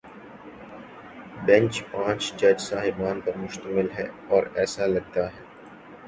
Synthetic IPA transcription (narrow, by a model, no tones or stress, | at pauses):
bɛ̃nt͡ʃpãːt͡ʃd͡ʒɐd͡ʒsaːɦɪbaːnpɐɾmʊʃt̪əmɪlɦɛ̰ː | ɔːɾɛːsalɐɡ̚t̪aɦɛː